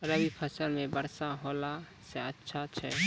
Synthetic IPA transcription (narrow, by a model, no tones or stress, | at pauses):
ɾəbipʰəsəlmebəɾsaɦola | seətːʃʰat͡ʃʰɛ̰